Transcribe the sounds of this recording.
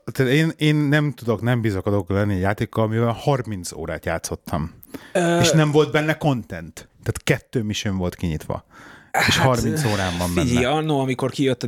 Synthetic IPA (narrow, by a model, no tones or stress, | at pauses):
t̪at̪eːneːnːɛmt̪ud̪o̞knɛmbizɒkɒd̪oklɛnːiɛɟjaːt̪eːkːɒlɒmivɛlhɒrmint̪so̰ːɾaːt̪jaːt̪so̞t̪ːɒmː | eʃnɛɱvo̞ld̪̚bɛnːɛko̞nt̪ɛnt̪ːaːt̪kɛt̪ːøːmiʃøɱvo̞lt̪kiɲit̪ʋɒ̰eːʃhɒrmint̪soːɾaːmbɒmiiɒnːoɒmiko̞rkijøt̪ː